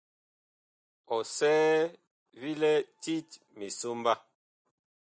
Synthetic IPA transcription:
ɔ˨sɛː˦ | vi˦lɛ˦ti˦t | mi˨so˦mba˦

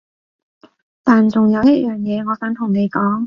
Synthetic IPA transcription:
t̪aː˨nt͡sʊ˨ŋjɐ˨˧wjɐ˥t̚jœː˨˩ŋjɛː˨˧ŋɔː˨˧kɐ˨˥nt̪ʰʊ˨˩ŋne˨˧jkɔː˨˥ŋ

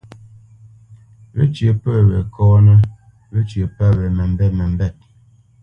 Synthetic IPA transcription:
ɾḛ˦t͡ʃjə˨˦pə˦˨ɾe˨kɔː˦nə˦ | ɾe˦t͡ʃjə˨pa˦˨ɾə˨mə˨m̩˦bɛ˦˨t̚mə˨m̩˦bɛ˦˨t̚

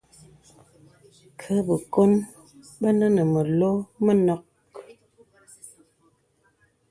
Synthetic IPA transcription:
kʰə˨˦bə˨ko˦n | bə˦nə˦nə˨mə˨lo˦mə˦nɔ˨k

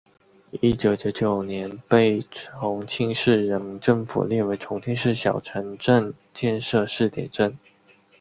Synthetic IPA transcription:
i˥t͡ɕjo˨˧˩ʊt͡ɕjo˧˥ʊt͡ɕjo˨˩ʊnjɛ˧˦npe˥˩ɪʈ͡ʂʰʊ˧˥ŋt͡ɕʰi˥˧ŋʂɻ̩˥˩ɻə˧˥nmi˧˥ŋʈ͡ʂɤ˥˩ŋfṵ˨˩ljɛ˥˩we˧˥ɪʈ͡ʂʰʊ˧˥ŋt͡ɕʰi˥˧ŋʂɻ̩˥˩ɕjɑ˨˩ʊʈ͡ʂʰə˧˥nʈ͡ʂə˥˧n | t͡ɕjɛ˥˧nʂɤ˥˧ʂɻ̩˥˩t̪jɛ̰˨˩nʈ͡ʂə˥˩n

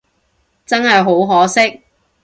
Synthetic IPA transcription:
t͡sɐ˥nɦɐ˨jɦo˨˥wɦɔː˨˥sɪ˥k̚

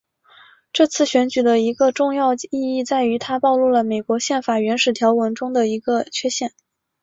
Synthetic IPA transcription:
ʈ͡ʂɤ˥˧t͡sʰɹ̩˥˩ɕɥɛ˧˥nt͡ɕy˨˩d̪ə˦i˧˥ɡə˧ʈ͡ʂʊ˥˧ŋjɑ˥˧ʊi˥˧i˥˧t͡sa˥˩ɪy˧˥t̪ʰa˥pɑ˥˧ʊlu˥˩lə˩me˨˩ɪkwɔ˧˥ɕjɛ˥˩nfa˨˩ɥɛ˧˥nʂɻ̩˨˩t̪ʰjɑ˧˥ʊwə˧˥nʈ͡ʂʊ˥ŋd̪ə˨i˧˥ɡə˧t͡ɕʰɥɛ˥ɕjɛ˥˩n

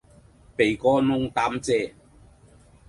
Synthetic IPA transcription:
pe˨˩jkɔː˦nʊ˥ŋt̪aː˦˥mt͡sɛː˦˧˨

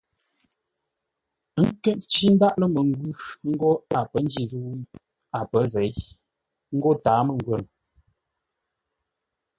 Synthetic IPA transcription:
ŋ̩˦kɛ˦ʔt͡ʃi˦n̩˦da˦ʔlə˦mə˨ŋ˦ɡwʉ˦ŋ̩˦ɡo˦a˨pə˨˦n̩˦d͡ʒi˦˨zu˦ | a˨pə˨˦zɛ˨˦j | ŋ̩˦ɡo˦taː˨˦mə˨ŋ˨ɡwə˨n

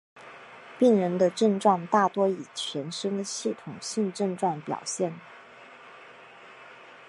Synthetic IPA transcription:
pi˥˩ŋɻə˧˥nd̪ə˧ʈ͡ʂɤ˥˧ŋʈ͡ʂwɑ˥˧ŋt̪a˥˩t̪wɔ˥i˨˩t͡ɕʰɥɛ˧˥nʂə˥ŋd̪ə˨ɕi˥˩t̪ʰʊ˨˩ŋɕi˥˧nʈ͡ʂɤ˥˧ŋʈ͡ʂwɑ˥˩ŋpjɑ̰˨˩ʊɕjɛ˥˩n

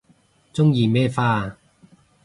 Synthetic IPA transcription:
t͡sʊ˥ŋjiː˨mɛː˥˩faː˥˧

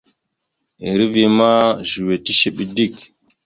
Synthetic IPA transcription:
i˨ɾi˦vi˨ma˦ʒu˨we˨ti˦ʃe˦ɓi˨di˦˨k

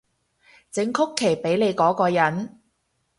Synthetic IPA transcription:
t͡sɪ˨˥ŋkʰʊ˥kʰːe˨˩jpe˨˥jle˨˧jkɔː˨˥kɔː˧jɐ˨˥n

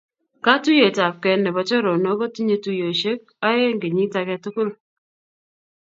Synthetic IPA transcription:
ka˦tu˦je˨ta˨p̚kɛ˨nɛ˨βɔ˨t͡ʃɔ˦ɾɔ˨nɔ˦ɡɔ˦ti˦ɲe˦tu˦jo˨ʃe˦k̚ | a˦e˦ŋɡe˨ɲi˦ta˨kɛ˦tu˦kʊ˦l

